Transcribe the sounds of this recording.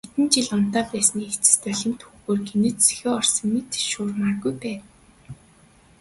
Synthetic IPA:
et̪ɘ̆nt͡ɕiɮʊn̥t̪aːpæːsniːet͡sɘ̥̆st̪œɮʲɪ̆mt̪xuɣoːrɡenɘ̆t͡sse̥xeːɔrsɞ̆ŋmet̪ʃuːrmarɣujpæːt̪

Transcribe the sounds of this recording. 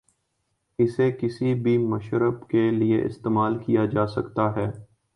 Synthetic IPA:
ɪsekɪsibʱimɐʃɾəbkelieʔɪ̰st̪eːmaːlkijad͡ʒaːsɐkt̪aɦɛː

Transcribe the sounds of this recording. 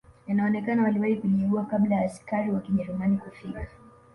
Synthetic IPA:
janaɔnɛkanawaliwahikuliuakablajaːskaɾiwakiʄɛɾumanikufikḁ

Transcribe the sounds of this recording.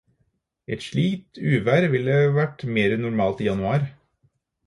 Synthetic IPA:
ɛt̪ʂɭiːt̪ʰʉːʋæːɾʋɪləʋæʈmeːɾənʊɾmɑːlt̪iːjɑnʉɑːɾ

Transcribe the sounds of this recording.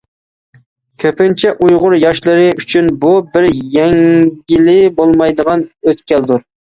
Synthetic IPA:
kʲʰøpɪnt͡ʃʰɛʔujʁʊɾjɑʃlˠɨɾɨyt͡ʃʰynbubɪɾjɛŋɡʲɪlɪbolˠmɑjd̪əʁɑnøt̪kʲʰɛld̪uɾ

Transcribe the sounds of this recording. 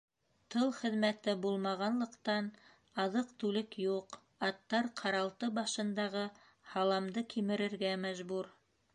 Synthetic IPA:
t̪ɤlˠχɘ̆ðmæt̪ɘbulˠmɑʁɑnlˠɤ̆qt̪ɑn | ɑðɤqt̪ʉlɘkjuq | ɑt̪ːɑɾqʰɑɾɑlˠt̪ɤbɑʃɤ̆nd̪ɑʁɤ | hɑlˠɑmd̪ɤkʰimɘ̆ɾɘ̆ɾɡæmæʒbuɾ

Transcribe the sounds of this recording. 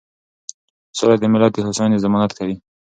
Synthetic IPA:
solad̪əmɪlɑt̪̚ːəhasɑnezɪmɑnat̪kawi

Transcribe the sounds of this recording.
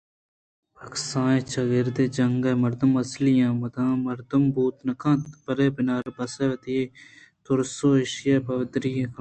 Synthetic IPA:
ɐksãːẽt͡ʃʰɐɡɪɾd̪eːd͡ʒɐŋɡɐːmɐɾd̪əmɐslijãːmɐd̪ãːmɐɾd̪ɐmbuːt̪nɐkʰãːpɐɾeːbɪnaːɾbɐseʋɐt̪ieː | t̪ʊɾsoːɪʃjɐːbɐʋd̪ɾijẽkʰãː

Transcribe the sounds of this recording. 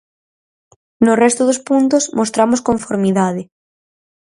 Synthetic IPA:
norɛst̪ʊðospunt̪osmʔost̪ɾamoskoɱfoɾmiðaðe

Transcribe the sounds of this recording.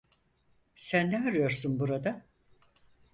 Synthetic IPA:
sænːɛaɾɯjo̞ɾsunbuɾad̪a

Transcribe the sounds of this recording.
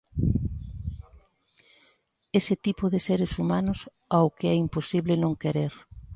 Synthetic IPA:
esɪt̪ipʊðɪseɾesumanʊs | awkeɛimposiβlɪnõŋkeɾeɾ

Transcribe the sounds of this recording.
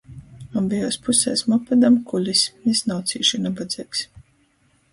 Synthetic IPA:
ambijɔːspusɛ̰ːsmɔpad̪amkulʲismisnawt̪sḭːʃinabad̪ziːks

